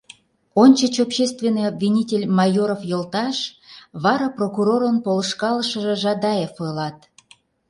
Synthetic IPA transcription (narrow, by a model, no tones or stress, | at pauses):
onʲt͡ɕət͡ɕopɕest̪vʲenːɨjobvʲinʲitʲelʲmɑjoɾofjolt̪ɑʃβɑɾɑprokuɾoɾənpoləʃkɑləʃəʒĕʒɑd̪ɑjefolɑt̪̚